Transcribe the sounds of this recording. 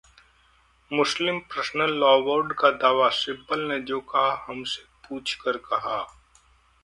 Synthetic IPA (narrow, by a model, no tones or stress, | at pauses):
mʊslɪmpɾəsnəlːɔːʋoːɾɖkad̪aːʋasɪbəlned͡ʒoːkɐɦahɐmse̥puːt͡ʃʰkəɾkɐɦaː